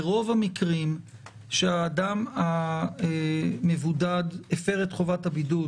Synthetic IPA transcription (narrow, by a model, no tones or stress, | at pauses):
ʁo̞vamikʁim | ʃeaːdama | mevudadefeʁetχo̞vathabidu